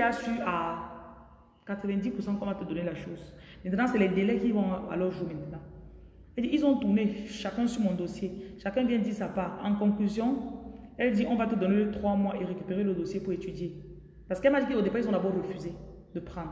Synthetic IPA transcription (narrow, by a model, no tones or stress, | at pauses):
asya | kat̪χəvɛ̃nd̪ipuʁsɑ̃kɔ̃vat̪əd̪ɔnelaʃoz | mɛ̃nt̪nɑ̃sɛlɛd̪elɛkivɔ̃a̰lœʁʒumɛ̃nt̪ənɑ̃ | ɛld̪iʔilzɔ̃t̪uʁneʃakɛ̃syʁmɔ̃d̪osjeʃakɛ̃vjɛ̃d̪iːʁsapaʁɑ̃kɔ̃klyzjɔ̃ɛld̪iʔɔ̃vat̪əd̪ɔnet̪χwamwaʔeʁekypeʁeləd̪osjepuʁet̪yd̪je | pasə̥kɛmad̪ikiod̪epailz̬ɔ̃d̪abɔʁːəfyze | d̪əpχɑ̃d̪ʁ